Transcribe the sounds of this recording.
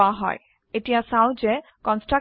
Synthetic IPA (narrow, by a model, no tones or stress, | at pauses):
aɦɔ̰j | etijasaw̃zɛ | kɔnsʈɹa